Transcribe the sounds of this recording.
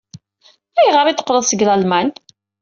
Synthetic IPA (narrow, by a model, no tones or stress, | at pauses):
æjʁəɾit̪ːə̥qːləðˤsəɡlælmæn